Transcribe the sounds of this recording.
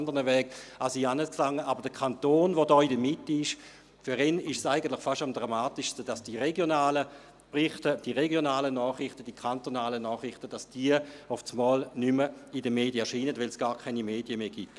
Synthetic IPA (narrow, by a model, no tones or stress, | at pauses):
ndəʁnəvɛːɡ̥asiːanəskflaŋəʔabɐʁd̥əkʰantoːnvodɔːidəmitːiɪʃ | fyʁɛnɪʃsaɪɡəntlɪχfaʃtamdʁamaːtiʃstəd̥asd̥iʁeɡjonaːlə | pʁɪχtəd̥iʁeɡjonaːlənɔːχʁɪχtəd̥ikʰantonaːlənɔːχʁɪχtəd̥asd̥iəɔft͡smɔːlnyməidəmeːdjəɐʃiːnətvɛlsɡ̥aːʁkʰaɪnimeːdjəmeːɡ̥it